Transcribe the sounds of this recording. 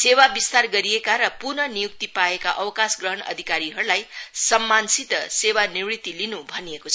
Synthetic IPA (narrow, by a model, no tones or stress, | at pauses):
sewabist̪arɡʌɾijekaɾʌpurnʌnijuk̚t̪ipaekaʔʌwkasɡrʌɦʌnʌ̰d̪ʱikaɾiɦʌɾulajsʌmːansit̪ʌsewaniwrit̪ːilinubʱʌnijekot͡sʰ